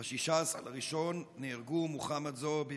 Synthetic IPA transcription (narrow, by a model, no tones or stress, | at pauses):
aʃiʃasa̰laʁiʃo̞nːeːʁɡumuχamat̪zobe